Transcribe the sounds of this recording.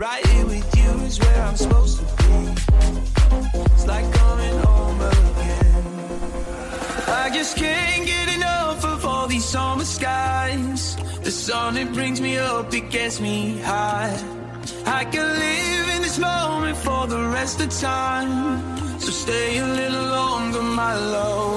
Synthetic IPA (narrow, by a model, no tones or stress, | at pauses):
ɹaɪɾɪ̃ŋwɪðjɨɪzwə˞ãɪ̃msəpoʊztʰəbi | ɪtslaɪkʰːʌmɪ̃ŋɔməðɛn | aɪd͡ʒʌskʰɨ̃nɡɛɾɪ̃nʌfəfə˞ði̥sɔmə˞skaɪz̥ðɨsʌ̃nɨt̚b̥ɹɪ̃ŋzmiʌpɨt̚ɡ̥ɛtsmihaɪ | aɪkɨ̃nlɪvɨ̃nðɪsmõʊ̃mɨ̃ntfə˞ðəɹɛstʌv̥tʰãɪ̃m | tʰosteɪɨlɪɾl̩ˠːɔ̃ʊ̃ŋəmaɪlo